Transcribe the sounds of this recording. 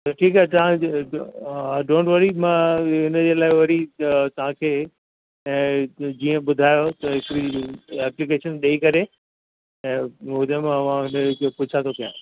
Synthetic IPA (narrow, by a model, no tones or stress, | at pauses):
t̪ɐʈʰiːkɦaːt̪ɐʋ̤ã | ɖõːɳʈʋɐɾimãɪnəd͡ʑeːlaːɪʋɐɾit̪ɐʋ̤ãkʰẽː | d͡ʑiːə̃ɓʊd̪ʱaːjot̪ɐɦɪkɾiɛːplɪkeːʃənɗeikɐɾe | ɛ̃ːɦʊd̪emẽɐʋ̤ãɦɪnkepʊt͡ɕʰãt̪ʰokijã̰ː